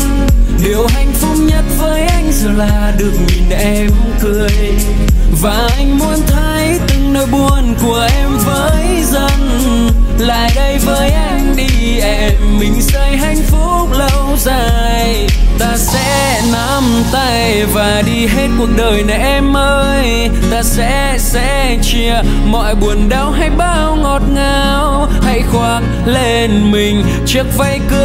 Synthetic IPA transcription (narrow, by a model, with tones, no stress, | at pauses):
ɗe˨˩wɦa˧jŋ̟fʊ˦˥p̚ɲə˦˥t̚vəː˨˦jʔa˧jŋ̟zɔː˨˩laː˨˩ɗɨ˨˩ək̚ɲi˨˩nʔɛ˧mkɨ˧˩əj | vaː˨˩ʔʔa˧jŋ̟mu˧ənt̪ʰə˨˦jt̪ɨ˨˩ŋnəː˧˨jɓu˨˩ənku˨˩əʔɛ˧mvəː˨˦j | zə˧n | la̰ː˧˨jɗə˧jvəː˨˦jʔa˧jŋ̟ɗi˧ | ʔɛ˧mːï˨˩ŋ̟sə˧jɦa˧˩jŋ̟fʊ˦˥p̚lə˧wzaː˧˨˩jj | t̪aː˧sɛ̰˧˥ | na˧˥m | t̪a˧˩j | vaː˨˩ɗi˧ɦe˧t̚ku˨˩ənɗəː˨˩jna˨˩ʔɛ˧mʔəː˧j | t̪aː˧sɛ̰˧˥ | sɛ̰˧˥ | t͡ɕi˧˩ə | mɔ̰˧˨jɓu˨˩ənɗa˧wɦa˧jɓaː˧wŋɔ˨˩t̚ŋaː˨˧˩w | ha̰˧˩jxwaː˨˩k̚ | le˧˩nmï˨˩ŋ̟ | t͡ɕɨ˦˥ək̚va˧jkɨ˧